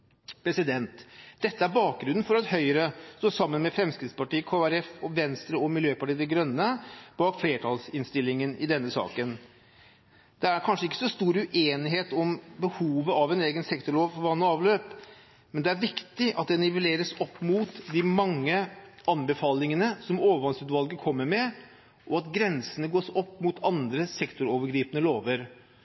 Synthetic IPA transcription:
pʰɾɛsɪd̪ɛnt̪d̪̥ɛt̪ːəæɾbɑːk̚ɡɾʉnn̩fɔɾɑt̪hœʏəɾəst̪oːsɑmːənmɛfɾɛmskɾɪt̪spɑʈiːəkʰoːæɾɛfɔʋɛnst̪ɾəɔmɪljøːpɑʈiːd̪ɛɡɾœnːəb̥ɑːkfleːʈʰɑːlsɪnst̪ɪlːɪŋənɪd̪ɛnːəsɑ̰ːkən | d̪̥ɛæɾkʰɑnʂəɪkːə̥sɔst̪uːɾʉʔeːnɪɦeːt̪ɔmbəhuːʋəʔɑʋɛneːɡənsɛkt̪ʊɭoːʋfɔɾʋɑnːɔɑːʋløːp | mɛnd̪ɛæɾʋɪkt̪ɪʔɑt̪̚d̪ɛnɪʋəleːɾəsɔpːmuːt̪d̪ɪmɑŋːəɑnbəfɑːlɪŋənəsɔmoːʋəɾʋɑnsʉːd̪ʋɑlɡəkʰɔmːəɾmɛ | ʔɔɑt̪ɡɾɛnsənəɡoːsɔpːmʊt̪ʰɑnd̪ɾəsɛkt̪ʊɾoːʋəɾɡɾiːpənəloːʋəɾ

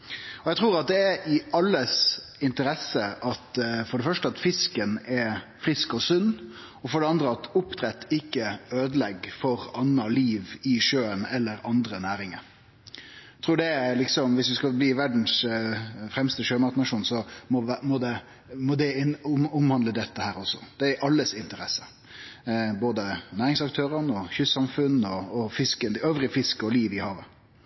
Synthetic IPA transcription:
ɔjɛɡt̪ʰɾuːɾɑt̪̚d̪ɛæʔɪʔɑlːəsɪnt̪əɾɛsːəʔɑt̪fɔɖəfœʂʈəɑt̪fɪskənɛfɾɪskɔsʉnː | ɔfɔɖɛɑnd̪ɾəɑt̪ʊpːt̪ʰɾɛt̪ːɪkːəøːd̪əlɛɡfɔɾɑnːɑliːʋɪʂøːənɛlːəɾɑnd̪ɾənæːɾɪŋəɾ | t̪ʰʁuːɖɛlɪksɔmʋɪsʋɪskɑbliːʋæɖn̩s | fɾɛmst̪əʃøːmɑt̪nɑʂuːnsɔmɔmɔd̪ɛ | mɔd̪ɛʊmhɑnd̪ləd̪ɛt̪ːəhæːɾɔsːɔd̪ɛæɾʔɑlːəsɪnt̪əɾɛsːə̥ | boːd̪ənæːɾɪŋsɑkt̪ʰøːɾənɔçʏsːɑmfʉnɔːfɪskənøːʋɾɪfɪskɔliːʋɪhɑːʋə

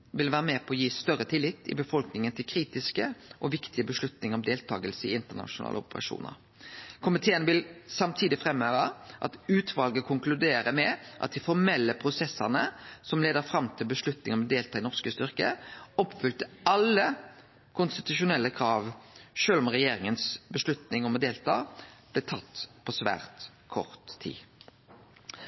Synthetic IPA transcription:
ʋɪlʋæːʁəmɛpʰɔɔjiːst̪œʁət̪ʰɪlːɪt̪ːɪ̰bəfɔlknɪŋənt̪ʰɪlkʰɾiːt̪ɪskəʔɔʋɪkt̪ɪəbəʂlʉt̪nɪŋɔmd̪eːlt̪ʰɑ̰ːɡəlsəɪɪnt̪əʁnɑ̰ʂʊnɑ̰ːləʊ̰pəʁɑ̰ʂṵːnə̰ɾ | kʰʊmɪt̪ʰeːənʋɪlsɑmt̪ʰiːd̪ɪfɾɛmːøːʁəʔɑ̰t̪ʉːt̪ʰʋɑlɡəkʰʊŋklʉd̪eːɾəmɛʔɑt̪̚d̪ɪfɔʁmɛlːəpʰɾʊsɛsːəʁnəsɔmleːd̪əɾfɾɑmt̪ʰɪlbəslʉt̪nɪŋɔmɔd̪eːlt̪ʰɑːɪnɔʁskəst̪ʏɾkəɔpːfʏlt̪əɑlːə | kʰʊnst̪ɪt̪ʉʂʊnɛlːəkʰɾɑːʋʃøːlɔmʁɛjeːɾɪŋənsbəʂlʉt̪nɪŋɔmɔd̪eːlt̪ʰɑːb̥lɛt̪ʰɑt̪ːpʰɔsʋæ̰ːʁt̪ | kʰɔ̰ʁt̪ʰːḭː

